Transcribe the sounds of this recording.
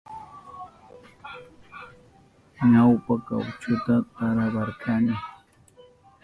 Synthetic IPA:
ɲawpaka̰wt͡ʃʊt̪at̪ɑɾɑɢɑɾkanɪ

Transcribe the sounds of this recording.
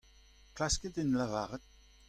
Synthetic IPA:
klaskətɪnlavaʁət̚

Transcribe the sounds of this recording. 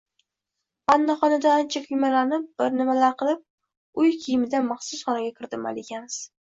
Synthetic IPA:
anːaχɒnad̪aːnt͡ʃʰakʲʰʊjmalaɾnɪp̚b̥ɪɾnɪmalaɾqɨlˠɪp̚ | ʊjkʲʰijɪmɪd̪amaχsʊsχɒnaɡʲakʲʰɪɾd̪ɪma̰lɪɡʲanz̥

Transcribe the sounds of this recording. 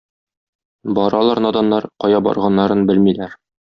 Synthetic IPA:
bɒɾɑlˠɑɾnɑd̪ɑnːɑɾqɒjɑbɒ̰ɾʁɑnːɑɾɤnbɘlmilæɾ

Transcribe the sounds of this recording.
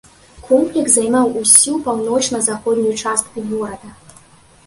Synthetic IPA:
kʰɔmplʲiksajmawusʲupawnɔt͡ʂnɐzaxɔd̪nʲijt͡ʂast̪̚kuɣɔɾɐd̪ɐ

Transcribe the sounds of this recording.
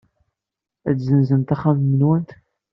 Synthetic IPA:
æt͡szənzənt̪æχammənwənt̪

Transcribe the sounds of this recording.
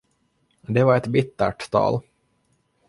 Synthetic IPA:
d̪ɛvaɾɛt̪bɪt̪ːæ̰ʈt̪ʰɑ̰ːl

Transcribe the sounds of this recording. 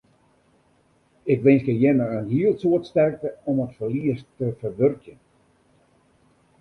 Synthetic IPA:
ɪkʋɪnskəjɪnəənɦiəlˠtsuətstɛrk̚təɔmətfərliəstəfərʋørkjən

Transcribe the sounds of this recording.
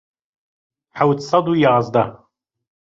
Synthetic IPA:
ħawt̪sˤɑd̪ˤujɑːzˤd̪ɑ

